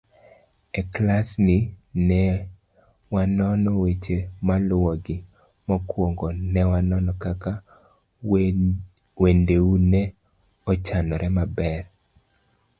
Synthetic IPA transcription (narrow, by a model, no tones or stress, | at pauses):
ɛklasnɪnɛ | wanɔnɔwet͡ʃemalwɔɡɪ | mɔkwoŋɡɔnɛwanɔnɔkaka | wendeunɛ | ɔt͡ʃanɔɾʔɛmabɛr